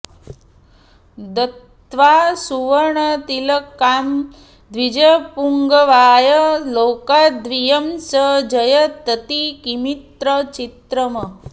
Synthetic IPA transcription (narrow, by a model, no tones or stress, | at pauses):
d̪ət̪ʋasuʋəɾɳət̪iləkːam | d̪ʋid͡ʒɐpuŋɡəʋaːjəloːkad̪ʋijəmsəd͡ʒəjət̪ət̪ikimit̪ɾət͡ʃit̪ɾəmɐ